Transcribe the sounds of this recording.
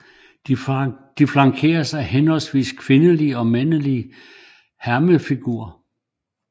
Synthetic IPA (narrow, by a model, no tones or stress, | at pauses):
d̥iflɑ̈ŋkʰe̝̰ːɐsɑ̈ɪɦenhɒ̽lsʋḭːskʰʋe̝nəliəɒ̽menəliə | hæɐməfiɡ̥uːɐ